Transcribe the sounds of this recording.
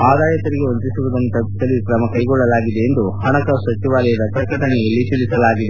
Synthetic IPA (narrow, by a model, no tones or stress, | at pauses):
aːd̪aːjɐt̪ɐɾiɡe̞ont̪isuʋud̪ɐnt̪ɐbt̪ɐlːikɾɐmɐkɐjɡɔɭːɐlaːɡid̪e̞ːnd̪uhɐɳɐkɐsɐt͡ʃiʋaːlɛjɐd̪ɐkɐkɐʈɐnejɐlːit͡ʃ̪ilisɐlaːɡid̪e